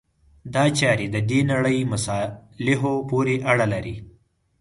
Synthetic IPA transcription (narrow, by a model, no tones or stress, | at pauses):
d̪ɑt͡ʃɑɾed̪əd̪enaɽəjmʊsɑlɪɦopoɾeʔaɽalaɾi